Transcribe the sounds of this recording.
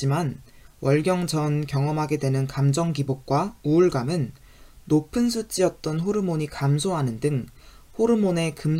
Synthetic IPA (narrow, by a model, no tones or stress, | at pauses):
iman | wʌɭɡjʌŋd͡ʑʌnkjʌŋʌmɦaɡe̞dwe̞nɯnkamd͡ʑʌŋɡibok̚k͈wauːɭɡamɯnː | opʰɯnsʰut͡ɕ͈iʌt̚t͈ʌnɸoɾɯmoɲikamsʰoɦanɯndɯŋhoɾɯmone̞kɯm